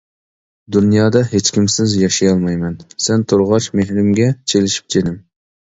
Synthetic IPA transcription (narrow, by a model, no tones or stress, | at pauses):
d̪unjɑːd̪ɑɦet͡ʃkʲimsɪzjɑʃijɑlˠmɑjmɛnsɛnt̪ʰoɾʁɑʃmehɾɪmɡʲɛt͡ʃʰelɪʃi̥p̚t͡ʃʰed̪ɪm